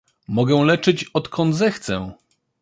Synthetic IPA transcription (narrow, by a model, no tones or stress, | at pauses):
mɔɡɛw̃lɛt͡ʂɘt͡ɕɔt̪kʰɔnd̪zɛxt̪sɛ̃